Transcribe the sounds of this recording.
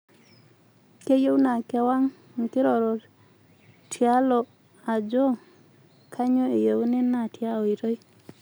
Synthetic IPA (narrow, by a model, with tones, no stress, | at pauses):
ke˦jo˦wna˨kɛ˦wa˦ŋ | ŋ̩˨kɪ˦ɾɔ˨ɾo˨ | tʰja˦lɔ˨ | a˨d͡ʒɔ˦ | kʰa˦ɲo˦e˨je˨wo˦nɛ˦na˨tja˦o˨i˨ɾo˦i˦